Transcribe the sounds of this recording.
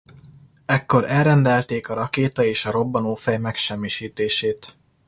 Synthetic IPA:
ɛkːo̞ɾɛlrɛnd̪ɛlt̪eːkɒɾɒkeːt̪ɒeːʃɒɾo̞bːɒnoːfɛjmɛkʃɛmːiʃiːt̪eːʃeːt̪

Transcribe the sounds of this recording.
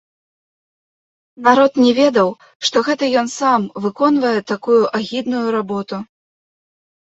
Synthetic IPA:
naɾɔt̪nʲɛvʲɛd̪ɐw | ʂt̪ɔɣɛt̪ɐjɔnsamvɨkɔnvɐjɛt̪akujuʔaɣʲid̪nujuɾabɔt̪u

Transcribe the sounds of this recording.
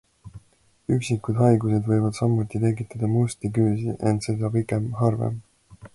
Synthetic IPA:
yksikːud̪ɦɑjɡuse̞d̪vɤjvɑd̪̥sɑmːut̪ːˑit̪e̞ɡit̪ːˑɑd̪̥ɑmust̪ikyːsiʔe̞nt̪se̞d̪ɑpikˑe̞mɦɑrvḛm

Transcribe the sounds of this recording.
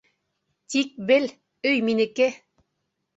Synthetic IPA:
t̪ʲik̚bel | øjminɘ̆ke

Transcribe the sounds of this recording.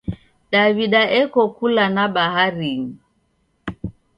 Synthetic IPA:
daβiɗaʔɛkɔkulanaɓaɦaɾim̩

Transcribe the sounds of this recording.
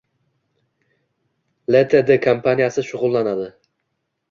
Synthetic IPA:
let̪ʰed̪ekʰampʰanijasɪʃʊʁʊlˠːanad̪ɪ

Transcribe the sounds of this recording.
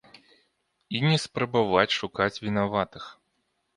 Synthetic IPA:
inʲɛspɾɐbavat͡sʲʂukat͡sʲvʲinavat̪ɨx

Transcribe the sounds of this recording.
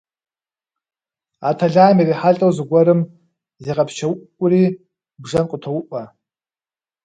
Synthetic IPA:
atʰaɮaːmiriħaɬʼowzɨɡʷɐɾɨm | ziʁapʰt͡ʃʰawʔʷkʷʼʊri | bʐɐnqʷʼʊtʰowʊʔʷʼa

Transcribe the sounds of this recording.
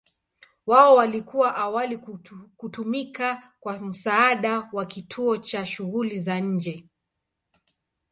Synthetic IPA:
waɔwalikuwaʔawalikutumika | kwam̩saːɗawakitʰuɔt͡ʃaʃuɣulizaɲ̩d͡ʒɛ

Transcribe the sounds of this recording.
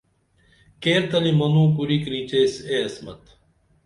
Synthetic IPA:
keːɾt̪ɐlimɐnũːkuɾiːkɾiːt͡ɕeːseɐsmɐ̰t̪

